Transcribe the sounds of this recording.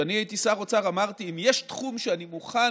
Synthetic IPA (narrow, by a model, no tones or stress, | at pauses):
aniait̪isaʁot͡saʁamaʁt̪iimjeʃtχumʃeanimuχa